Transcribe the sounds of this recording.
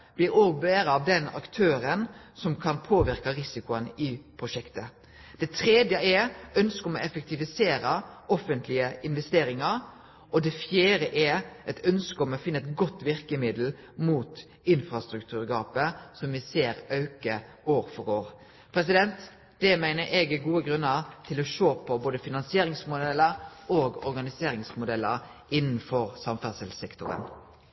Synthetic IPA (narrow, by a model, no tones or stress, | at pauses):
b̥lɪɾoːɡ̚beːɾəɑʋd̪ɛnɑ̰kt̪ʰøːɾənsɔmkʰɑnpʰoːʋɪɾkɑɾɪsɪkʊənɪpʰɾʊʃɛkt̪ə | d̪̥ɛt̪ʰɾeːd̪jəɛœnskəɔmɔɛfɛk̚t̪ɪʋɪseːɾəɔfːənt̪ʰlɪəɪnʋɛst̪eːɾɪŋɑɾ | ʔɔd̪ɛfjeːɾəʔɛʔɛt̪œnskəɔmɔfɪnːəɛt̪ɡɔt̪ːʋɪɾkəmɪd̪l̩ | muːt̪ | ɪnfɾɑst̪ɾʉkt̪ʰʉːɾɡɑːpəsɔmʋɪseːɾɑʉkə | oːɾfɔɾoːɾ | pʰɾɛs̬ɪd̪ɛnt̪ | d̪̥ɛmæɪnəɾʔɛɡɛɡuːəɡɾʉnːəɾt̪ʰɪlɔʃoːpʰɔboːd̪əfɪnɑnsɪeːɾɪŋsmʊd̪ɛlːəɾoːɡɔ̰ɾɡɑnɪseːɾɪŋsmʊd̪ɛlːəɾ | ʔɪnːn̩fɔɾsɑmfæsɪlsɛkt̪ʊɾə̰n